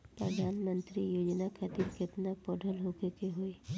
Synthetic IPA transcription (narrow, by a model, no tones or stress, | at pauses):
pɾəd̪ʱaːnmə̃nt̪ɾijoːd͡ʒnakʰat̪iɾket̪nakpɔːɖʱəlɦoːkekeɦoːi